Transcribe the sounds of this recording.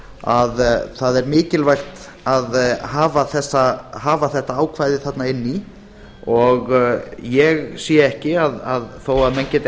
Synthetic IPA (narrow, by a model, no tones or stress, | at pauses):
aðθaðɛɾmɪːcɪlvajxt̪ | aðhaːvaθɛsːaɦaːvaθɛht̪aaːwkʰvajðɪθat̪naɪnːi | ɔɣjɛɣsjɛːɛhcɪaðaðθowaðmɛncɛːt̪